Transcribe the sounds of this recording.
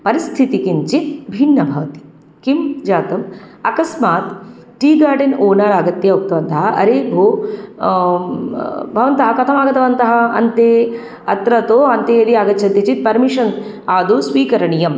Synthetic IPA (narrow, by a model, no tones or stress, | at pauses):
pɐɾist̪ʰit̪ikiɲt͡ʃibʱinːɐbʱɐʋɐt̪i̥ | kimd͡ʒaːt̪ɐmɐkɐsmaːt̪ | ʈiːɡaːɖinoːnɐɾaːɡɐt̪jɐɐk̚t̪ɐʋɐnt̪ɐɦɐʔɐ̰ɾeːbʱoː | bʱɐʋɐnt̪ɐɦɐkɐt̪ʰɐmaːɡɐt̪ɐʋɐnt̪ɐɦɐɐ̰nt̪eː | ɐ̰t̪ɾɐt̪oːɐnt̪eːɐɾiaːɡɐt̪ːt͡ʃʰɐnt̪ːɐt͡ʃit̪̚pɐɾmiʂɐn | aːd̪oːsʋiːkɐɾɐɳijɐm